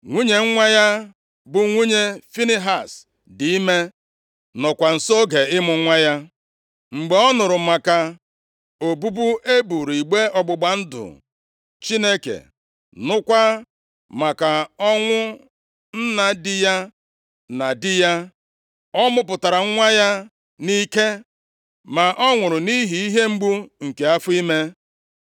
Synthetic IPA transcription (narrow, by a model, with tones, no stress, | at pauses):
ŋʷu˦ɲe˨ŋ̩˦ŋʷa˦ja˦ | bʊ˨ŋʷu˦ɲe˦fi˦ni˦ɦa˨s | di˨i˦me˦ | nɔ˨kʷa˨n̩˨so˦ɡe˨ɪ˦mʊ˨˦ŋʷa˦ja˦ | ŋ͡m̩˨ɡ͡be˨ɔ˦nʊ˨ɾʊ˨ma˨ka˨ | o˨bu˦bu˦ʔe˦bu˨ɾi˨ɡ͡be˦ɔ˨ɡ͡bʊ˨ɡ͡ba˨n̩˦dʊ̰˨ | t͡ʃi˦ne˦kḛ˨ | nʊ˦kʷa˦ | ma˨ka˨ɔ˦ŋʷʊ˦ | n̩˦na˨dɪ˦ja˦ | na˨dɪ˦ja˦ | ɔ˦mʊ˦p̬ʊ˨ta˨ɾa˨ŋ̩˦ŋʷa˦ja˦ | ni˦ke˦ | ma˨ʔɔ˦ŋʷʊ˨ɾʊ˨ni˦ɦi˨i˦ɦe˦ŋ͡m̩˦ɡ͡bu˦ŋ̩˨ke˨a˦fʊ˦i˦me˦